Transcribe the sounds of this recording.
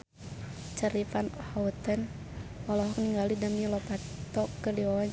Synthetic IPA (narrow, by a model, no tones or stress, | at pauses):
t͡ʃəɾifanhaut̪ən | walɔɦɔkniŋɡalidamilɔpat̪ɔkːəliɔ